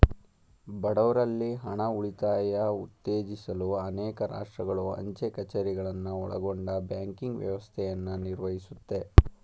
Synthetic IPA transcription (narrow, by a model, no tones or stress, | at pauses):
bɐɽɐʋɾɐlːiɦɐɳɐuɭit̪aːjɐut̪ːeːd͡ʒisɐluɐnɛːkɐɾa̰ːʂʈɾɐɡɐɭuɐ̰ɲt͡ʃekɐt͡ʃɐɾiɡɐɭɐnːuɔ̰ɭɐ̰ɡo̞ɳɖɐbjaːŋkiŋɡʋjɐ̰ʋɐst̪ʰɛjɐnːuniɾʋɐɦisut̪ːe̞